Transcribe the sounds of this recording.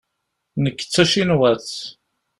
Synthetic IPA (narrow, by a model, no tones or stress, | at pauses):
nəkːə̥t͡sːæʃinwæθ